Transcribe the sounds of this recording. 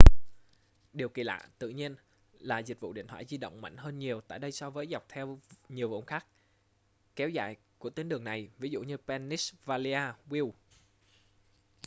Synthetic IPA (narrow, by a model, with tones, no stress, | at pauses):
ɗi˨˩əwki˨˩la̰ː˧˨t̪ɨ̰˧˨ɲi˧ən | laː˨˩zï̟˨˩vṵ˧˨ɗḭ˧˨nt̪ʰwaː˧˩jzi˧ɗə̰˧˨wŋ͡mma̰˧˩jŋ̟həː˧nɲi˨˩əwt̪a̰ː˧˨jɗə˧jsɔ˧vəː˨˦jza˨˩wk͡p̚t̪ʰɛ˧wɲi˨˩əwvṵ˧˩ŋ͡mxaː˦˥k̚ | kɛ˨˦wza̰ː˧˨jku˧˩ət̪i˧nɗɨ˨˩əŋna˨˩jvi˨˦zṵ˧˨ɲɨ˧pɛ˧nːi˦˥svaː˧li˧aː˧wi˧w